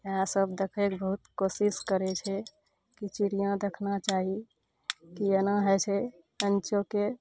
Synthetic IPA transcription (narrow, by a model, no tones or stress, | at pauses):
ãsəbd̪ekʰekbəɦut̪kosiskəɾɛt͡ʃʰɛ | kit͡ʃiɾijãd̪ekʰnat͡ʃaɦi | kiənaɦɛt͡ʃʰɛ | ənt͡ʃoke